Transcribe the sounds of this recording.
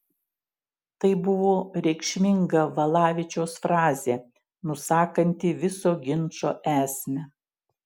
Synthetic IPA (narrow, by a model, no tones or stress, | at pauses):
t̪ɐɪbʊʋoːɾʲɛɪkʃʲmʲɪŋɡɐʋɐlˠɑːʋʲɪt͡ʃʲoːsfɾɑːzʲeː | nʊsɑːkɐnʲt̪ʲɪʋʲɪsoːɡʲɪnˑt͡ʃo̰ːʔæːsʲmʲɛ